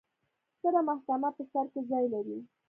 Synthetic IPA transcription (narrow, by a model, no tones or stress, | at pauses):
kəɾamahkamapəsaɾkezɑjlaɾi